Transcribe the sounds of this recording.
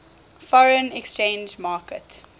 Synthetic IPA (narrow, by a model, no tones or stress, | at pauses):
fɔɹə̃nɛkst͡ʃẽnd͡ʒmɑːkət